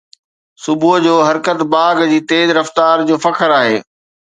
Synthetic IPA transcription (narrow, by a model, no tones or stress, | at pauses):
sʊbʱud͡ʑoːɦɐɾkət̪baːɡd͡ʑiːt̪eːzɾɐft̪aːɾd͡ʑoːfɐkʰəɾaːɦeː